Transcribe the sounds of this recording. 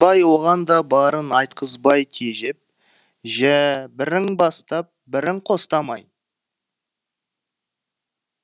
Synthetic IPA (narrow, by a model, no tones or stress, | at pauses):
bɑjwo̞ʁɑnd̪ɑbɑɾənɑjt̪̚qʰəzbɑjk̪ʲʰeʒɪp̚ | ʒæbɪɾɪŋbɑst̪ɑp̚bɪɾɪŋqʰo̞st̪ɑmɑj